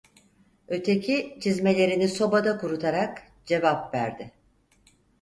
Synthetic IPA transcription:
ø̞t̪ʰe̞cʰit͡ʃʰizme̞lʲe̞ɾiniso̞bad̪akuɾut̪ʰaɾak | d͡ʒe̞vapvæ̰ɾd̪ɪ

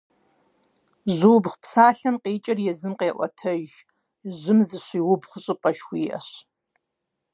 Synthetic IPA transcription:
ʑʷuːbχpʰsaːɬɐmqeːt͡ʃʼɐrjɛzɨmqeːʔʷɔ̰tʰɐʒ | ʒɪmzɨɕʷiːwʊbχʷʊɕʼɨpʼɐʃwʷiːʔɐ̰ɕ

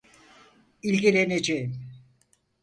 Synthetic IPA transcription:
ilʲɡʲilʲened͡ʒejim

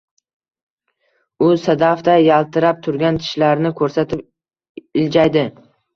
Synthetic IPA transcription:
ʊsad̪aft̪ajalˠt̪ʰɪɾap̚t̪ʰʊɾɡʲant̪ʰɪ̥ʃlaɾnɪkʰɵɾsat̪ʰɪp̚ | ɪld͡ʒajd̪ɪ

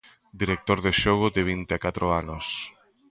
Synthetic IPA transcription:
d̪iɾek̚t̪oɾðeʃɔɣ̞ʊd̪ɪβ̞int̪eakat̪ɾoanʊs

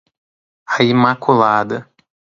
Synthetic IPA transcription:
aimakulad̪ɐ

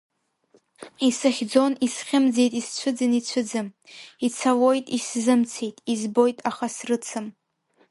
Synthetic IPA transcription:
isaχʲd͡zo̞nisχʲɪmd͡zejtʼist͡ɕʷʰɨd͡zɨnit͡ɕʷʰɨd͡zɨmit͡sʰawo̞jtʼiszɨmt͡sʰejtʼizbo̞jtʼaχasrɨt͡sʰɨm

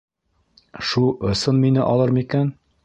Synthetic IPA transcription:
ʃulˠŏsɤnminɘʔɒlˠɤɾmikæn

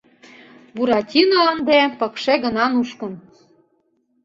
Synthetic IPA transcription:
buɾɑtʲinoɤnd̪epɤ̆kʃeɣə̆nɑnuʃkɤ̆n

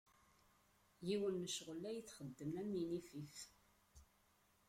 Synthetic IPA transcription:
jiwənːəʃʁəlːæjət͡sːχəd̪ːəmnæminifif

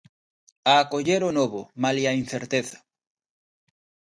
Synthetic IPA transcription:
aːkoʎeɾonoβʊmaliain̟θeɾt̪eθḁ

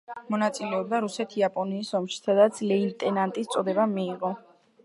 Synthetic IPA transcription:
mɔnat̪sʼilɛɔb̚d̪aɾusɛt̪ʰiapʼɔniːsɔmʃi̥sʰad̪at̪sʰlɛint̪ʼɛnant̪ʼist̪sʼɔd̪ɛbamiːʁɔ

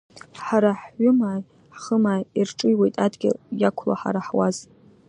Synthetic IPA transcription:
ħaɾaħɥʊmaːj | ħχəmaːjirʈ͡ʂʼɨjwejtʼadɡʲɪ̰jakʷʰla̰ħa̰ɾaħwaz

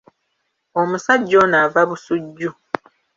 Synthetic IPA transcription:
omusaɟːo̞ːnavaβusuɟːu

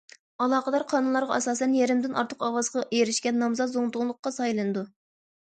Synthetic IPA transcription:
ɑlˠɑːqəd̪ɑɾqʰɑnɨnlˠɑɾʁɑɑsɑːsɛnjɛɾɪmd̪ɪnʔɑɾt̪ʰəqɑwɑzʁɑʔejeɾɪʃkʲɛnːɑmzɑt̪zoŋt̪ʰʊŋlˠʊqːɑsɑjlˠɨnɨd̪u

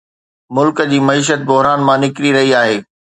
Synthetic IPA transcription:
mʊlkd͡ʑiːmɐiːʃ̬ət̪̚bʊɦɾaːnmãnɪkɾiɾɐɦiaːɦeː

